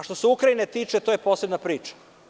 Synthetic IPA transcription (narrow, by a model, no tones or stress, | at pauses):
ʃt̪o̞seukɾainet̪iːt͡ʂe̞t̪ojepo̞ːse̞bnapɾiːt͡ʃḁ